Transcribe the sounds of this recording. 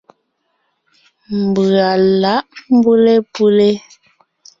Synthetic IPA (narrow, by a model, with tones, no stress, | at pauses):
m˨bʉ˨a˨la˨˦ʔm˦bu˦le˦pu˦le˦